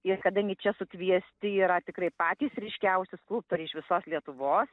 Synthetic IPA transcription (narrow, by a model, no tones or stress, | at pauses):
ɪrkɐd̪ɐŋʲɡʲɪt͡ʃʲɛsʊkʋʲiɛsʲt̪ʲɪiːɾɐt̪ʲɪkrɐɪpɑːt̪ʲiːsɾʲɪʃʲkʲɛʊsʲɪsklˠuːp̚t̪oɾʲɛɪʃʋʲɪsoːslʲiɛt̪ʊʋoːs